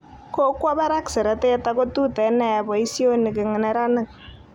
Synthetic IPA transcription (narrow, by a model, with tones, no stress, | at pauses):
ko˦kwɔ˦βɛ˦ɾa˦ksɛ˨ɾɛ˨te˦ta˦ko˦tu˦tɛ˨nɛ˦˨a˨bɔ˨i˦sjo˦nɪ˨kɪ˨ŋɪ˨nɛ˦ɾa˦nɪ˨k̚